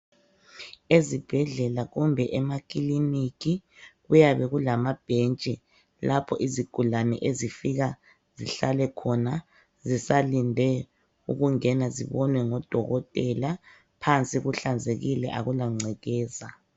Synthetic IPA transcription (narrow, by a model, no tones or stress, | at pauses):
ezib̥ʱɛɮɛlaɣumbʱɛʔɛmakʼilinikʰiɣujaβɛɣulamab̥ʱent͡ʃʼi | lapʰɔʔiziɡ̥ʱulanɛ̰ʔezifiɣa | ziɬalɛkʰɔna | zisalindʱɛ | ṵɣuŋɛnaziβɔnwɛŋɔd̥ʱɔɣɔtʼɛla | pʰant͡sʼiɣuɬand͡zʱeɣilɛ̰ʔaɣulaŋ͡ǀʱɛɣɛːza